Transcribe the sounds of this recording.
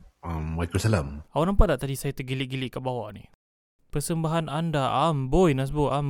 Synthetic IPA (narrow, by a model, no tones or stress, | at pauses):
ammakusalamawaʔnampaʔ̪dlaʔt̪adisajat̪uɡiliʔɡilɪʔkaʔbawaʔnih | pərsəmbaɦanandaambojnas̬boʔam